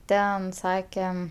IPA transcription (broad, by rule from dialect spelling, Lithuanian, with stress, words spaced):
ˈtʲɛn ˈsɑːkʲɛm